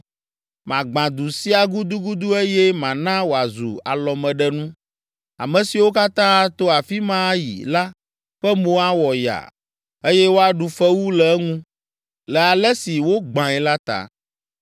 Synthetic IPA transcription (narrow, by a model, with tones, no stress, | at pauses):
mã˨ɡ͡bã˨d̪u˨si˦a˨ɡu˦d̪u˦ɡu˦d̪u˦e˦jɛ˦mã˨nã˦wo˨a˨zṵ˨a̰˨lɔ˨mɛ̃˨ɖɛ˦nũ˦ | a̰˨mɛ̃˨si˨wo˦ka˦t̪ã˦a˦t̪o˦a˨fi˦mã˦jḭ˨la˦ | ɸɛ˦mõ˨˦a˦wɔ˨ja̰˨ | e˦jɛ˦wo˦a˨ɖu˨fɛ˦wu˦lɛ˨˦ŋũ˦ | lɛ˨a˨lɛ˦si˨wo˦ɡ͡bã˨ɛ˨la˦t̪a̰˨